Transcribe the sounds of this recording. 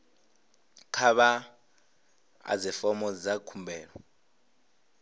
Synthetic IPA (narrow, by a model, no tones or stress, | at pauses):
kʰaβa | a̰zifɔmɔd͡zakʰumbʱɛːɺɔ